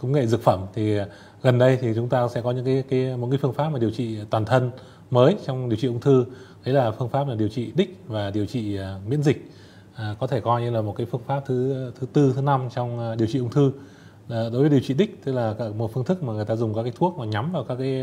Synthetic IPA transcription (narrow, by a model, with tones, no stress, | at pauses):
kə˨˦ŋ͡mŋḛ˧˨zɨ˨˩k̚fə˧˩mt̪ʰi˨˩ | ɣə˨˩nɗə˧jt̪ʰi˨˩t͡ɕʊ˨˦ŋ͡mt̪aː˧sɛ̰˧˥kɔ˨˦ɲɨ̰˧˥ŋkaː˨˦kaː˨˦jmo˨˩t̚kːaː˨˦fɨ˧əŋfa˦˥pmaː˨˩ɗi˨˩əwt͡ɕḭ˧˨t̪waː˨˩nt̪ʰə˧n | məː˨˦jt͡ɕɔ˧wŋ͡mɗi˨˩əwt͡ɕi˧˨ʔə˧ŋ͡mt̪ʰɨ˧ɗ̪ə˨˦jlaː˨˩fɨ˧əŋfaː˦˥p̚laː˨˩ɗi˨˩əwt͡ɕḭ˧˨ɗï˦˥k̟̚vaː˨˩ɗi˨˩əwt͡ɕḭ˧˨˩mḭ˧˥ənzï˨˩k̟̚ː | kɔ˨˦t̪ʰe˧˩kɔ˧jɲɨ˧laː˨˩mo˨˩t̚kaː˨˦jfɨ˧əŋfaː˦˥p̚t̪ʰɨ˨˦t̪ʰɨ˨˦t̪ɨ˧t̪ʰɨ˨˦na˧mt͡ɕɔ˧wŋ͡mɗi˨˩əwt͡ɕḭ˧˨ʔə˧ŋ͡mt̪ʰɨ˧˨ | ɗo˨˦jvə˨˦i˨˩əwt͡ɕi˧˨ɗï˦˥k̚t̪ɨ˦˥k̚laː˨˩kaː˧˩mo˨˩fɨ˧əŋt̪ɨ˦˥k̚maː˨˩ŋɨ˨˩jt̪aː˧zʊ˨˩ŋ͡mkaː˦˥kaː˨˦jt̪ʰu˦˥ək̚maː˨˩ɲa˨˦mvaː˨˩wkaː˦˥kːaː˨˦j